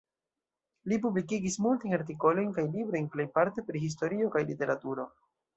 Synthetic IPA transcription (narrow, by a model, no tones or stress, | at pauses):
lipublikiɡismultajnaɾt̬iko̞lo̞jnkajlibɾo̞jnple̞jpaɾte̞pɾiɦis̬to̞ɾio̞kajlite̞ɾatuɾo̞